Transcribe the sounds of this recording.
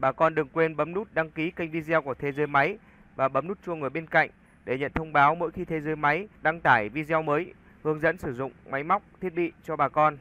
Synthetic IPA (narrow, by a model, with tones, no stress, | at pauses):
ɓaː˨˩kɔ˧nɗɨ˨˩ŋkwe˧nɓə˨˦mnu˦˥t̚ɗa˧ŋki˨˦ka˧jŋ̟vi˧zwku˧˩ət̪ʰe˧zəː˨˦jma˨˦j | vaː˨˩ɓə˨˦mnu˦˥t̚t͡ɕu˧ŋɨ˨˩jɓe˧nka̰˧˨jŋ̟ | ɗe˧˩ɲə̰˧˨nt̪ʰə˧wŋ͡mɓaː˨˦wmo̰˧˥jxi˧t̪ʰe˧zəː˨˦jma˨˦jɗa˧ŋt̪aː˧˩jvi˧zɛ˧wməː˨˦j | hɨ˨˦əŋzə̰˧˥nsɨ˧˩zʊ̰˧˨ŋ͡mma˨˦jma˦˥wk͡p̚t̪ʰi˦˥ət̚ɓḭ˧˨t͡ɕɔ˧ɓaː˨˩kɔ˧n